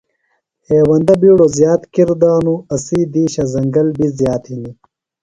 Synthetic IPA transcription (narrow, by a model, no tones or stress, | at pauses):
heːwɐnd̪ɐbiːɽozjaːt̪kiɾd̪aːnuɐsiːd̪iːɕɐzɐŋɡɐlbizjaːt̪hini